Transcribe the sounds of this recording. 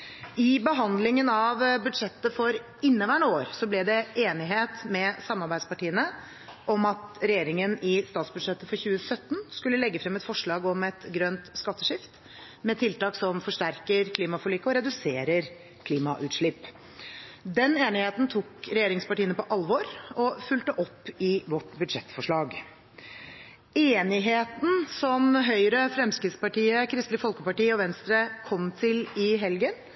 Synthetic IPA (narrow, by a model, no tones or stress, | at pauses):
ɪbəɦɑnd̪lɪŋənɑʋbʉd̪ʂɛt̪ːəfɔɾ | ɪnːəʋæːɳoːɾsɔblɛd̪ɛʔeːnɪɦeːt̪mɛsɑmːɑɾbæɪd̪spɑʈiːənə | ʔɔmɑt̪ɾɛjeːɾɪŋənɪst̪ɑːt̪sbʉd̪ʂɛt̪ːəfɔɾçʉːəsœt̪ːnskʉlːəlɛɡːəfɾɛmɛt̪fɔʂɭɑːɡɔmɛt̪ɡɾœnt̪skɑt̪ːəʂɪft̪ | mɛt̪ʰɪlt̪ɑːksɔmfɔʂʈæɾkəɾkʰliːmɑfɔɭiːkəɔɾɛd̪ʉseːɾəɾ | kʰliːmɑʔʉːt̪ʂɭɪpː | d̪ɛneːnɪheːt̪n̩t̪ʰuːkɾɛjeːɾɪŋspɑʈiːənəpɔʔɑlʋɔɾɔfʉlt̪əʔɔpːɪʋɔʈbʉd̪ʂɛt̪ːfɔʂɭɑːɡ | eːnɪɦeːt̪n̩sɔmɦœʏɾəfɾɛmskɾɪt̪spɑʈiːəkʰɾɪst̪lɪfɔlkəpɑʈiːəɔʋɛnst̪ɾəkʰɔmt̪ʰɪlɪɦɛlɡən